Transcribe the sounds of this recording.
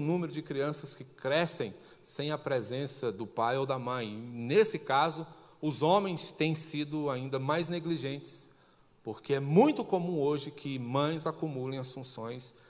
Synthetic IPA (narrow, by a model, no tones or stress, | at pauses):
ʊnũmeɾʊd͡ʒɪkɾiɐ̃sɐskɪkɾɛsẽj̃ | sẽj̃ɐpɾɛzẽsɐd̪ʊpajowd̪ɐmɐ̃j̃nesɪkazʊʊzõmẽj̃st̪ẽj̃sid̪ʊaĩnd̪ɐmajzneɡliʒẽnt͡ʃɪ̥s | poɾkeɛmũj̃t̪ʊkomũoʒɪkʰɪmɐ̃j̃zakumulẽj̃ɐsfũsõj̃s